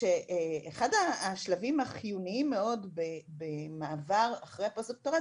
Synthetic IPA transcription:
eʔeeχadaːʃlavimaχijuniimːe̞o̞dbebemaːvaʁaχʁejaposok̚toʁa

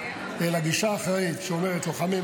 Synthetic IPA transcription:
elaɡiʃaːχeʁitʃeome̞ʁetloχami

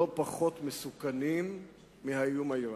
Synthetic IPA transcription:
opaχo̞t̪mesukanimː | ihajumaji

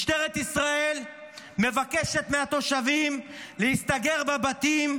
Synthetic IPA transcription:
ʃt̪eʁet̪isʁael | me̞vakeʃe̞t̪meat̪o̞ʃavim | lehist̪aɡe̞ʁbabat̪im

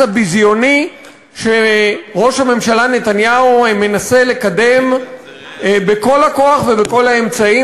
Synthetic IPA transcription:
abizjo̞ni | ʃeʁo̞ʃhame̞mʃalane̞t̪anjaume̞nase̞le̞kade̞m | beko̞lako̞aχve̞beko̞lae̞mt͡sai

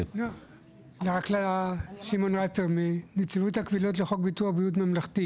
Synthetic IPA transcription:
lo | leʁaklaʃimo̞nʁafeʁmenet͡sivuthakvilot̬leχo̞kbituaχbijut̬mamlaχt̪i

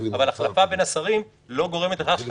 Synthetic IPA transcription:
avalaχlafabe̞nasaʁim | lo̞ɡo̞ʁe̞met̪eʁaχ

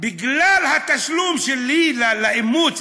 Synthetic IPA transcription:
bɪɡlalhat̪aʃlumʃelilalaʔimut͡s

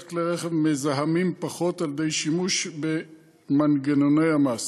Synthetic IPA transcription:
kleʁeχevmezaɦamimpaχo̞tald̪ejʃimuʃbe | manɡenonejamas

